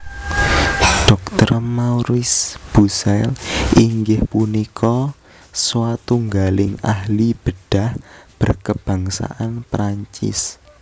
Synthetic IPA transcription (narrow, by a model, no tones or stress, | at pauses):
ɖ̥ɔk̚t̪ərmauɾɪsb̥usɛlʔiŋɡɪhpunikʰɔ | swat̪uŋɡalɪŋaɦlib̥əɖ̥a̤hb̥ərkəb̥a̤ŋsa̰ʔanpɾaɲt͡ʃɪ̰s